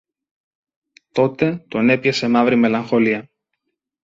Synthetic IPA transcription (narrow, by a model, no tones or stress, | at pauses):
t̪o̞t̪e̞t̪o̞ne̞pçese̞mɐvɾime̞lɐŋxo̞liɐ